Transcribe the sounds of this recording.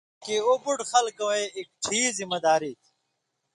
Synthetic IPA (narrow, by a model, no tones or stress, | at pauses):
keoːbuʈxɐlkɐweek̚ʈʰiːzimɐd̪aːɾiːt̪ʰ